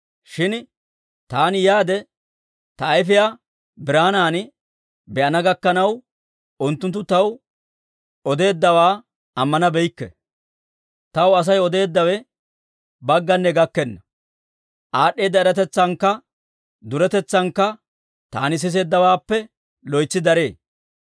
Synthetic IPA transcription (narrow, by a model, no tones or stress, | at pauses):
ʃɪn | t̪aːnjaːd̪ɛ | t̪ɐɐjfɪjaː | bɪɾaːnaːn | bɛʔɐnɐɡɐkːɐnɐw | ʊnt̪ːʊnt̪ːʊt̪ɐw | ɔd̪e̞ːd̪ːɐwaː | ɐmːɐnɐbɛjkːɛ | t̪ɐwɐs̬ɐjɔd̪e̞ːd̪ːɐwɛ | bɐɡːɐnːɛɡɐkːɛnːɐ | ʔaːɗe̞ːd̪ːɐɛɾɐt̪ɛt͡sːɐŋkːɐ | d̪ʊɾɛt̪ɛt͡sːɐŋkːɐ | t̪a̰ːnɪs̬ɪs̬e̞ːd̪ːɐwaːpːɛ | lɔjt͡sːɪd̪ɐɾe̞ː